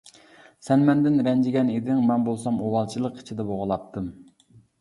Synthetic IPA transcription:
sɛnmɛnd̪ɪnɾɛnd͡ʒɪɡʲɛned̪ɪŋmɛnbolˠsɑmowɑlˠt͡ʃʰilˠəqi̥t͡ʃʰid̪ɛboʁəlˠɑp̚t̪ʰɨm

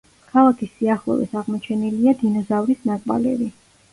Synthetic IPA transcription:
kʰalˠakʰisːiaχlˠɔ̰vḭsaʁmɔt͡ʃʰɛniliad̪inɔzavɾisnakʼba̰lɛbi

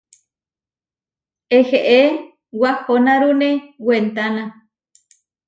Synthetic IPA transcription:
eheʔe | wahonãɾunẽwent̪anã

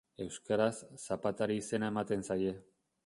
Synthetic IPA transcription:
e̞wskaɾasːapat̪aɾiːse̞nae̞mat̪e̞nsaje̞

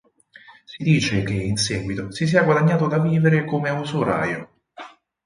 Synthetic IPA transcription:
sid̪iːt͡ʃekeinsɛːɡwit̪osis̬iːaɡwad̪aɲːaːt̪od̪aviːveɾekomeunsoɾa̰ːjo

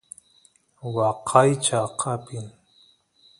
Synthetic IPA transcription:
wɑqʰɑjt͡ʃɑqʰɑpɪŋ

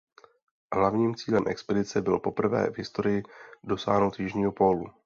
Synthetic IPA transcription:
ɦlavɲiːmt͡siːlɛmʔɛkspɛdɪt͡sɛbɪlpo̞pr̩vɛ̰ːvɦɪst̪o̞ɾɪjɪdo̞sa̰ːɦnowt̪jɪʒɲiːɦo̞po̞lu

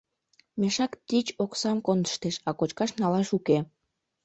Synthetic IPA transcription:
meʃɑkt̪it͡ɕoksɑmkond̪ə̥ʃt̪eʃɑkot͡ɕkɑʃnɑlɑʃuke

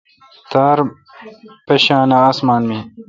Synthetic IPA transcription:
t̪aːɾ | pɐɕaːnaːsmaːnmĩ

